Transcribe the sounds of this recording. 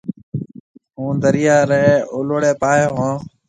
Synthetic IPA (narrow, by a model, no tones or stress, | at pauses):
ɦũːd̪əɾɪjaːɾəeʔʊloɽeːpaːjoːɦõː